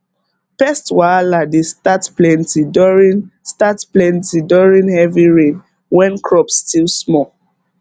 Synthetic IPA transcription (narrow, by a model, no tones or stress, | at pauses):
fɛstwaɪladistatplɛ̃ntidɔɹĩnstatplɛ̃ntidɔɹĩnhɛviɹẽn | wɛ̃nkɹɔpsːtilsmɔ